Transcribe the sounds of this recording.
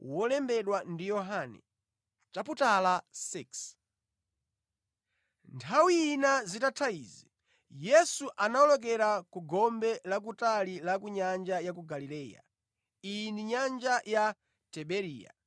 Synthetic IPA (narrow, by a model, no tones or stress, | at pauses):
wɔlɛmbɛɗwandijɔɦanɛ̰ | t͡ʃaputalasiks | ntʰawiːnazitatʰaiːzi | jɛsuʔanaɔlɔk̬ɛɾakuɡɔmbɛlak̬utalilakuɲand͡ʒajak̬uɡalilɛːja̰ | iniɲand͡ʒaja | tɛɓɛɾiːja̰